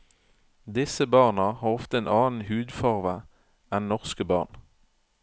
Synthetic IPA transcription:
d̪ɪsəbɑːʁnɑhɑːʁɔft̪əeːnʔɑːn̩hʉːd̪fɑʁʋə | ɛnnɔʁskəbɑ̰ːʁn

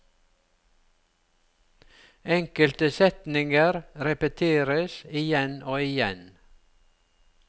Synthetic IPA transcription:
ɛŋkəlt̪əsɛt̪nɪŋəɾɾɛpət̪ʰeːɾəsɪjɛnoːɪjɛ̰n

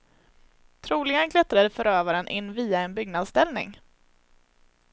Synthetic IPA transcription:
t̪ʰɾuːlɪɡənkʰlɛt̪ɾad̪əfœɾøːvaɾənʔɪnːviːaɛnbʏɡnad̪st̪ɛlnɪ̰ŋ

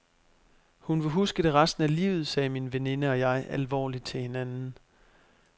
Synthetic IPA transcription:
hunʋe̝ɦusɡ̥əd̥e̝ʁasd̥n̩ælḭːʊð̞̩ˠsɛːminʋe̝ne̝nəɒ̽jɑ̈ɪʔælʋɒ̰ːlid̥̚t͡sʰe̝he̝nænn̩

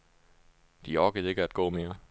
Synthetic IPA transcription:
d̥iɒɡ̥əð̩ˠe̝ɡ̥əæd̥ɡ̥ɔ̰ːme̝ːɐ

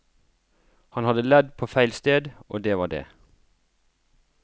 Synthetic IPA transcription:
hɑnhɑd̪əlɛd̪pʰoːfæɪlst̪eːd̪ʔo̰ːd̪eːʋɑːɖḛː

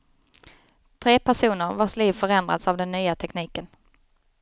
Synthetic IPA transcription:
t̪ʰɾeːpʰæʂuːnəɾvaʂliːvfœɾɛnd̪ɾa̰d̪savd̪ɛnːyːat̪ʰɛkniːkən

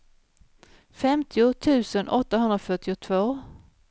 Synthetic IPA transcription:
fɛmt̪ʰɪʊt̪ʰʉ̟ːsənʔɔt̪ːaɦɵnd̪ɾafœʈːɪʊt̪ʰvoː

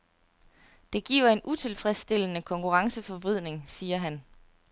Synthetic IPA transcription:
d̥e̝ɡ̥ḭːʊɐe̝nʔut͡sʰe̝lfʁɛsd̥e̝lənəkʰɒ̽ŋkuʁɑ̈ŋsəfɒʋið̞̰ˠne̝ŋsiːɐɦæn

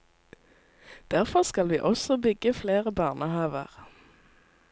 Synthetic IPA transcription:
d̪̥æʁfɔʁskɑlʋiːʔɔsɔbʏɡəfleːʁəbɑːʁnəhɑːʋə̰ʁ

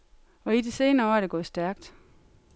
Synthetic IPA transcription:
ɒ̽id̥e̝se̝ːnɐɒæɐɾ̥e̝ɡ̥ɔ̽ːð̩ˠsd̥æɐɡ̥d̥

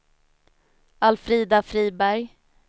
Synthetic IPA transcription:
alfɾiːd̪afɾiːbæɾj

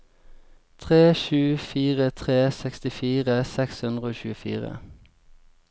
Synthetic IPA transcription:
t̪ʰʁeːʃʉːfiːʁət̪ʰʁeːsɛkst̪ɪfiːʁəsɛkshʉnʁəoːçʉːəfḭːʁə̰

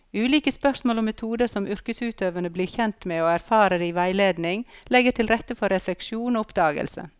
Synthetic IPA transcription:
ʉːliːkəspœsmoːlʊmːɛt̪ʰuːd̪əɾsɔmʏɾkəsʉːt̪øːʋənəbliːɾçɛnt̪meːoːæɾfɑːɾəd̪ɛiʋæɪleːd̪nɪŋlɛɡəʈʰɪlɾɛt̪ːəfɔɾɛflɛkʃuːnoːʊpd̪ɑːɡə̰lsə̰

